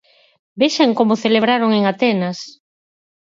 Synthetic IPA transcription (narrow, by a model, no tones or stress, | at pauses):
beʃaŋkomʊθeleβɾaɾoŋeŋat̪ɛnas